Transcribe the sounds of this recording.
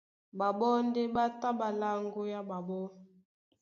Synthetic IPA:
ba˨bɔ˦n˦de˦ba˦ta˦ba˨la˦ŋɡo˦ja˦ba˨bɔ˦

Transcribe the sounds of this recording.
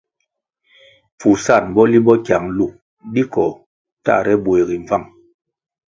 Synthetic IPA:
fu˨sa˦˨nbɔ˦li˦bɔ˦kja˨ŋlu˨ | ɗi˦kɔ˨ | ta̰˦˨ɾɛ˦bwe˨ɣi˨ɱ˨va˦˨ŋ

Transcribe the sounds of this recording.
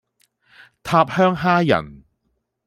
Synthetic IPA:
t̪ʰaː˧p̚hœː˥ŋɦaː˥jɐ̰˨˩n

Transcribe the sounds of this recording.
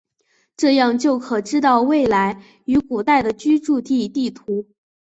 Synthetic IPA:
ʈ͡ʂɤ˥˧jɑ˥˧ŋt͡ɕjo˥˩ʊkʰɤ˨˩ʈ͡ʂɻ̩˥t̪ɑ˥˧ʊwe˥˩ɪla˧˥ɪ | y˧˥ku˨˩t̪a˥˩ɪd̪ə˩t͡ɕy˥ʈ͡ʂu˥˧t̪i˥˩t̪i˥˩t̪ʰu˧˥

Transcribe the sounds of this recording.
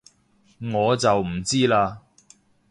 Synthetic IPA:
ŋɔː˨˧t͡sɐ˨wm̩˨˩t͡siː˥laː˧

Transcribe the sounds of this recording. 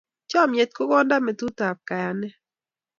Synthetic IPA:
t͡ʃɔ˦˨mje˨t̪̚ko˦ɡɔ˦nda˦mɛ˨tu˦ta˨p̚ka˨ja˨nɛ˦

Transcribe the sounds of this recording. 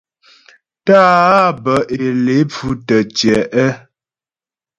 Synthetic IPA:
taː˦bə˨ʔe˨le˨˦p͡fu˦tə˨t͡ʃɛ˨ʔɛ˦

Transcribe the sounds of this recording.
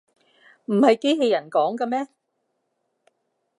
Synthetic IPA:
m̩˨˩hɐ˨˧jke˥jɦe˧jɐ˨˩nkɔː˨˥ŋkaː˧mɛː˥

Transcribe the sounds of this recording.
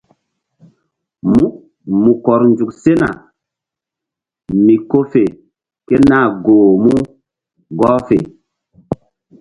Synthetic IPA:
mu˦ | mu˨kɔ˨ɾnd͡ʒu˨kse˦na̰˨ | mi˨ko˦fe˨ | ke˦na˦˨ɡoː˨mu˦ | ɡɔː˦fe˨

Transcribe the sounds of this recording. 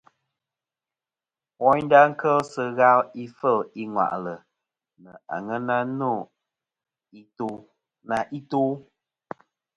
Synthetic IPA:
wɔ˦ɲda˦ŋ̩˦kə˦lsə˦ɣa˦li˦fə˦˨li˦ŋwa̰˨ʔlə˨ | nə˨a̰˨ŋə˦na˦no˦˨ | i˦tː | na˨ʔi˦tuː˦

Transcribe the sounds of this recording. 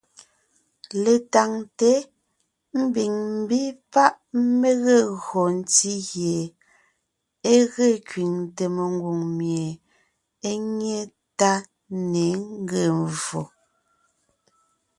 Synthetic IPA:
le˨ta˨ŋte˨˦ | m̩˦bi˨ŋm̩˦bi˦pa˦ʔ | me˦ɣe˦˨ɣɔ˨n̩˦ti˦ɣje˨ | e˦ɣe˦˨kɥi˨ŋte˨me˨ŋ˦ɡwu˨ŋmje˨ | e˦ŋe˦˨ | ta˦ | ne˨˦ŋŋ˦ɡe˦˨m˨vo˨

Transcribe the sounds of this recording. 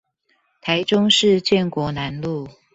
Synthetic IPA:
t̪ʰa˨˦ɪʈ͡ʂʊ˥ŋʂɻ̩˥˧t͡ɕjɛ˥˨nkwɔ˧˥na˧˦nlu˥˨

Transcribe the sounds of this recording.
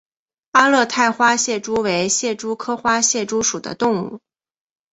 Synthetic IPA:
a˥lɤ˥˧t̪ʰa˥˩ɪxwa˥ɕjɛ˥˩ʈ͡ʂu˥we˧˥ɪɕjɛ˥˩ʈ͡ʂu˥kʰɤ˥xwa˥ɕjɛ˥˩ʈ͡ʂu˥ʂu˨˩d̪ə̰˦t̪ʊ˥˧ŋṵ˥˩

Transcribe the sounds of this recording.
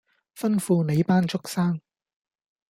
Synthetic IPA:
fɐ˥nfuː˧ne˨˧jpaː˥nt͡sʊ˥k̚saː˥ŋ

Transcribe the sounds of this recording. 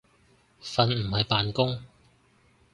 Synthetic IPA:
fɐ˨nm̩˨˩hɐ˨jpaː˨nkʊ˥ŋ

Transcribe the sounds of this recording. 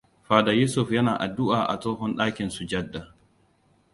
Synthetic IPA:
ɸaː˨da˨juː˦sʊ˨ɸjɐ˦naː˨ʔa˨dʊ˦ʔaː˨ʔa̰˨toː˦ɦɔ˦nɗaː˦kʲɪ˨nsu˨d͡ʒɐ˦dːa˨

